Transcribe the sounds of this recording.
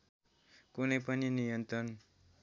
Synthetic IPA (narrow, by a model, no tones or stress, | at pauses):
kunʌjpʌninijʌnt̪ɾʌn